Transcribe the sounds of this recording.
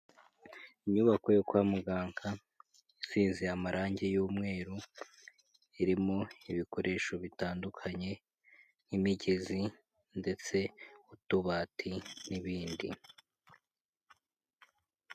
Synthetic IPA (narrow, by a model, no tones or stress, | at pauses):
iɲuβakojokwaːmuɡaːŋkʰa | isiːnzeamaɾʔaːɲɟejuːmŋe̞ːɾu | iɾimo̞iβiko̞ɾʔe̞ːʃo̞βitaːndukʰaɲe̞ | imiɟezi | nde̞t͡se̞utuβaːtʰiniβiːndḭ